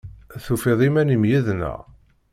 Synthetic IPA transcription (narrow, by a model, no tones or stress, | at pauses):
θufeðˤimænimjiðnə̰ʁ